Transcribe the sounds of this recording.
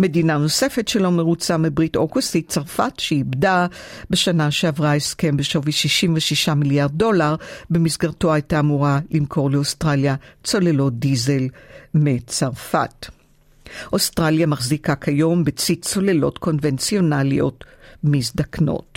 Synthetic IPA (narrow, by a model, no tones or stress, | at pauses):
me̞dinano̞se̞fe̞tʃelo̞me̞ʁut͡samebʁitokustit͡saʁfatʃeibdabe̞ʃanaʃeavʁaeske̞mbeʃo̞viʃiʃimveʃiʃamiljaʁd̚ːo̞laʁbe̞misɡaʁto̞ajtaːmuʁalimkʰo̞ʁle̞ostʁaljat͡so̞le̞lo̞t̚dize̞lmet͡saʁfa̰t | ʔo̞stʁaljamaχzikakʰajo̞mbet͡sit͡so̞le̞lo̞̰tko̞nvent͡sio̞nalijo̞̰tmisdakno̰t